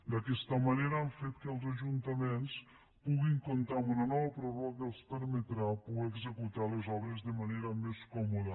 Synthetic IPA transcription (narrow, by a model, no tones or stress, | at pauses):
d̪əkɛst̪əmaneɾəaɱfet̪kəlˠzaʒunt̪əmens | puɣiŋkont̪amunanɔβəpɾorɔkəelˠspəɾmet̪ɾapueɡzəkut̪alezɔβɾezðəmaneɾəmeskɔmoðə